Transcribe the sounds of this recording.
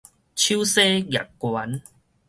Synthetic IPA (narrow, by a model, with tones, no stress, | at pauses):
t͡ɕʰu˦se˦ɣja̰˨kkːwa˨˦n